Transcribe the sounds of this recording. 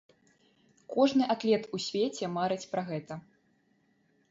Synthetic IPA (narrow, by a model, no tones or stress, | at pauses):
kɔʐnɨʔak̪lʲɛt̪usʲvʲet͡sʲɛmaɾɨt͡sʲpɾɐɣɛt̪ɐ